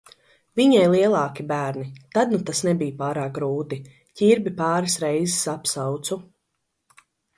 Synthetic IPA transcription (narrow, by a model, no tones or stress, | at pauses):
viɲajlˠiɛlˠɑːkibæːɾnit̪ad̪nut̪asnɛbijpaːɾaːk̚ɡɾuːt̪i | cʲiɾbipaɑːɾɪsɾɛjzɪsapsawt̪su